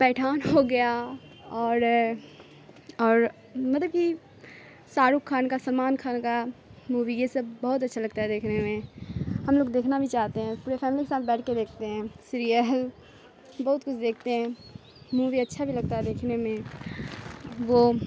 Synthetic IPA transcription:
pɛːʈʰaːnɦoɡɐja | ɔːɾ | ɔːɾ | mɐt̪ləbki | saːɾʊkʰːaːnkasɐlmaːnkʰaːnkamuːʋijesɐbbɐɦʊt̪̬ɐtːʃʰalɐɡ̚t̪aɦɛd̪eːkʰnemẽhɐmloːɡd̪eːkʰnabʱit͡ʃaːɦt̪eɦɛ̃puːɾepʰɛːmɪlikesaːt̪̚bɛːʈʰked̪eːkʰt̪eɦɛ̃ːsɪɾijəl | bɐɦʊt̪kʊt͡ʃʰd̪eːk̚ʰt̪eɦɛ̃ː | muːʋiɐtːʃʰabʱilɐɡ̚t̪aɦɛd̪eːkʰnemẽ | ʋo

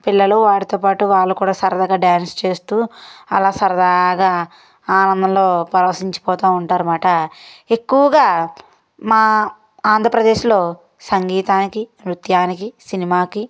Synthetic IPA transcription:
pilːɐluʋaːɽit̪o̞ːpaːʈuʋaːɭːukuːɽaːsɐɾɐd̪ɐɡaːɖaːnst͡ʃe̞ːst̪uːɐlaːsɐɾɐd̪aːɡaː | aːnɐnd̪ʱɐmlo̞ːpɐɾɐʋɐsiɲt͡ʃi̥pɔːt̪aːuɳʈaːɾumaːʈɐe̞kːuʋɐɡaː | maː | aːnd̪ʱɾɐpɾɐd̪eːʃlo̞ː | sɐŋɡiːt̪aːnikiɾut̪jaːnikisinimaːki

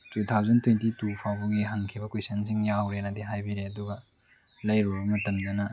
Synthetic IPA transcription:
tut̪ʰawzɐntwentitupʰawbuɡiɦɐŋkʰibɐkwejsɐnsiŋjawɾenɐdiɦajbiɾeɐduɡɐ | lɐjɾoɾɐmɐtɐmdɐnɐ

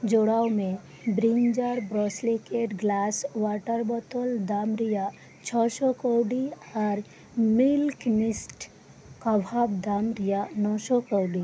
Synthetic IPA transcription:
d͡ʒoːɽawmẽ | bɾiɲd͡ʒaɾbɾɔːslikeʈɡlaːswaːʈəɾbɔt̪old̪aːmɾija | t͡ʃʰɔsɔkowɖi | ɔɾ | milkmɪsʈ | kəbʱabd̪aːmɾijanɔːʃɔkowɖi

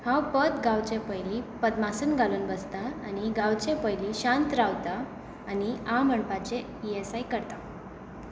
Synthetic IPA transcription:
hãwpət̪ɡãwt͡ɕẽpəjlipət̪masuːnɡʱaluːnbəst̪aañiɡawt͡ɕẽpəjliɕãnt̪ɾawt̪aː | niaməɳpat͡ɕe | iesaikəɾt̪a

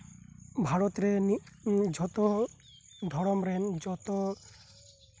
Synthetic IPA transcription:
bʱaɾɔt̪ɾenid͡ʒʱɔt̪ɔ | d̪ʱɔɽɔmɾend͡ʒɔt̪ɔ

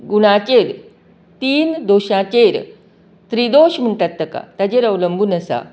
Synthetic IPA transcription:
ɡuɽ̃at͡ɕeɾ | t̪iːnd̪oɕãt͡ɕeɾ | t̪ɾid̪oɕm̤əɳʈat̪ːəka̰t̪at͡ɕeɾəʋləmbuːnəsa̰

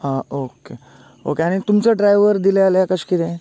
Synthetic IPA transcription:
əoke | o̰keaɽ̃it̪umt͡səɖɾajʋəɾd̪ilealjakəɕkit̪ẽ

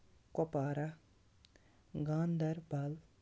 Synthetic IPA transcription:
kɔpaːɾa | ɡãːnd̪ɐɾbal

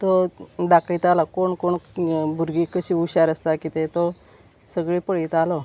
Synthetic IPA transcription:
t̪od̪akɭiːt̪alakoɳkoɳbʱuɾɡiːkəɕiːuɕaɾəst̪akit̪et̪o | səɡɭiːpəɭit̪alɔ

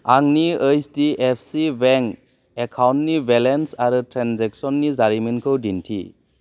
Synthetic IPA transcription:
aŋniɯjstiʔepʰsibɛŋ | ekʰawntnibelensaɾɯtʰɾanzɛk̚sɔnːizaɾimɯnkʰɯwdintʰḭ

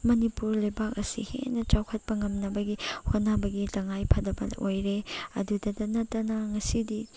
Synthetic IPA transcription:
mɐnipuɾlajbak̚ɐsḭhḛnɐt͡ʃawkʰɐt̚pɐŋɐmnɐbɐɡihotnabɐɡitɐŋajpʰɐdɐbɐ̰ojɾeɐ̰dudɐdɐnɐtːɐnɐŋɐsidi

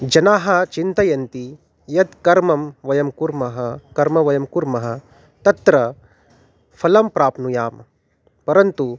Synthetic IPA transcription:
d͡ʒɐnaːɦɐt͡ʃint̪ɐjɐnt̪i | jɐd̪kɐɾmɐmʋɐjɐmkuɾmɐɦɐkɐɾmɐʋɐjɐmkuɾmɐɦɐ̆ | t̪ɐt̪ɾɐ | pʰɐlɐmpɾaːpnujaːm | pɐɾɐnt̪u

